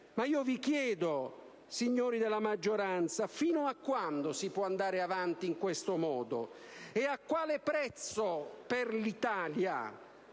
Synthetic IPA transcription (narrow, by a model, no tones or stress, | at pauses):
maiːovikjɛːd̪o | siɲːoːɾid̪elamad͡ʒːoɾant̪safiːnʊakːwand̪osipwɔand̪aːɾɪavant̪iːŋkwest̪ʊmɔːd̪ʊ | ɛakːwaːlɪpɾɛt̪soperlit̪aːlja̰